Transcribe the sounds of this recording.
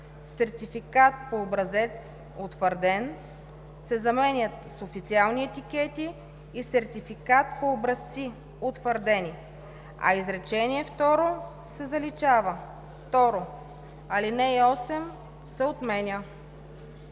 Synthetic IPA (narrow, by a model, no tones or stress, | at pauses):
sɛɾt̪ifikat̪̚poːbɾɐzɛt̪s | ot̪vəɾd̪ɛn | sɛzɐmɛnʲət̪sofit̪sialˠniɛt̪ikɛt̪iː | sɛɾt̪ifikat̪̚poːbɾɐst̪si | ot̪vəɾd̪ɛni | ɐ̰izɾɛt͡ʃɛniɛft̪ɔɾo | sɛzɐlit͡ʃavə | ft̪ɔɾo | ɐlinɛiɔsɛm | sɛot̪mɛnʲə